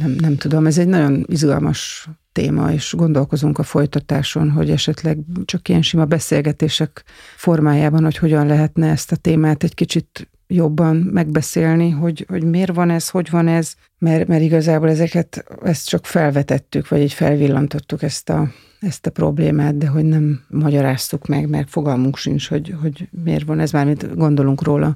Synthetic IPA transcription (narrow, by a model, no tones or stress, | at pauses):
nɛmnɛmt̪ud̪o̞mɛzɛɟnɒɟo̞nizɡɒ̰lmɒ̰ʃt̪ḛːmɒ̰eːʃɡo̞nd̪o̞lko̞zuŋkɒfo̞jt̪ɒt̪aːʃo̞nɦo̞̰ɟɛʃɛt̪lɛɡt͡ʃɒkːijɛnʃimɒbɛseːlɡɛt̪eːʃɛk | fo̞rmaːjaːbɒnho̞cho̞ɟɒnlɛɦɛt̪nɛɛst̪ɒt̪eːmaːt̪ɛɟkit͡ʃit̪ | jo̞bːɒnmɛɡbɛseːlniɦo̞ɟho̞ɟmeːrvɒnɛzho̞ɟvɒnɛz | mɛɾmɛɾiɡɒzaːboːlɛzɛkɛt̪ɛst̪t͡ʃɒkfɛlvɛt̪ɛt̪ːykvɒɟiːɟfɛ̰lvilːɒnt̪o̞t̪ːukɛst̪ɒ | ɛst̪ɒpro̞̰blḛːmaːt̪̚d̪ɛɦo̞ɟnɛmːɒɟɒɾaːst̪ukmɛɡmɛ̰rfo̞ɡɒlmuŋkʃint͡ʃho̞ɟho̞ɟmḛːrvɒnɛzmaːrmint̪ɡo̞nd̪o̞luŋkroːlɒ̰